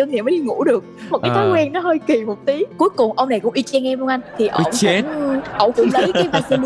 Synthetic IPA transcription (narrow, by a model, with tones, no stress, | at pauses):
ɨ˧ŋɗe˧˨˩məː˨˦jɗi˧˩ŋṵ˧˥ɗɨ˨˩ək̚mo˨˩kaː˨˦jt̪aː˨˦wɛ˧nnɔ˨˦ɦəː˧jki˨˩mo˨˩t̚t̪i˨˦ku˨˦əjkʊ˨˩ŋ͡mʔə˧wŋ͡mna˨˩kʊ̰˧˥ŋ͡mʔi˧t͡ɕɛ˧nŋɛ˧mɔ˧ŋʔa˧jnt̪ʰi˨˩ʔə̰˧˩wŋ͡mʊ˧˥ŋ͡mʔə̰˧˩wŋ͡mkʊ̰˧˥ŋ͡mlə˨˧˦jkaː˨˦jvaː˧si˧n˧